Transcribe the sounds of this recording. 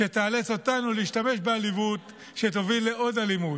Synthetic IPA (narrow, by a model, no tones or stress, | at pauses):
e̞t̪aːlet͡so̞t̪anuliiʃtame̞ʃbealivut | ʃe̞tovilːe̞ʔo̞dalimu